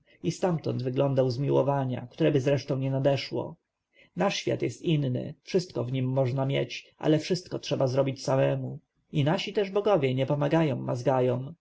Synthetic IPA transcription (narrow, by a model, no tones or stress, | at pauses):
ist̪amt̪ɔ̰nd̪vɘɡlɔ̃nd̪awzmʲiwɔ̰vaɲa̰kt̪uɾɛbɘzɾɛʂt̪ɔ̃ɲɛnad̪ɛʂwɔ̰ | naʂɕfʲja̰t̪jɛst̪inːɘ̰fʂɘst̪kɔvɲimːɔʐnamʲjɛt͡ɕʔa̰lɛfʂɘst̪̚kɔtʂɛbazɾɔbʲit͡ɕsamɛmu | inaɕit̪ɛʐbɔɡɔvʲjɛɲɛpɔmaɡajɔ̃w̃ːazɡajɔ̃w̃